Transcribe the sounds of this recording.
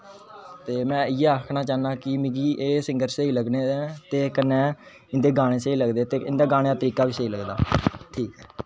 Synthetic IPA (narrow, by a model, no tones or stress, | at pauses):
t̪eːmɛ̃ːɪjɛːaːkʰnaːt͡ʃaːnãːkɪmɪɡiːʔeːsɪ̃ŋɡəɾseiːləɡneːd̪eːt̪eːkənːɛ̃ː | ɪnd̪eːɡaːɽ̃eːseiːləɡd̪eːt̪eːɪ̃nd̪aːɡaːɽ̃eːaːt̪əɾiːkaːʋiːseiːləɡd̪aːʈʰiːkɦɛː